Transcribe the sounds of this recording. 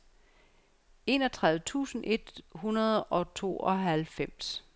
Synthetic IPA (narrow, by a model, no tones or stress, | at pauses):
e̝̰ːnɒ̽t͡sʰʁɑ̈ð̞ˠʋət͡sʰṵːsn̩ʔe̝d̥hunɐð̞ˠɒ̽t͡sʰo̝̰ːɒ̽ɦælfem̰s